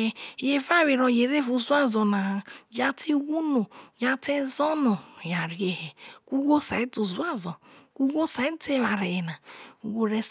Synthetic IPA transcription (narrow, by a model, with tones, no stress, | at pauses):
je˨va˦˨we˨ɾɔ˨je˨ɾe˦vu˨zu˦a˦zɔ˨na˨d͡ʒa˦tʰi˦wu˦no˨ja˦te˦zɔ˦nɔ˨ja˨ɾi˨˦e˨he˨ku˦ɡo˦sa̰˨i˦tu˨zu˦a˦zɔ˨ku˦ɡo˦sa˨i˦te˦˨wa˨ɾe˨je˨na˨ɡo˨ɾe˦s